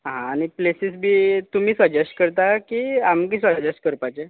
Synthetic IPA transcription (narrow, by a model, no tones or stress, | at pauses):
ɦãːñiplesisbʱiːt̪umiːsəd͡ʑesʈkəɾt̪akiamkiːs̬əd͡ʑesʈ̚kəɾpat͡ɕe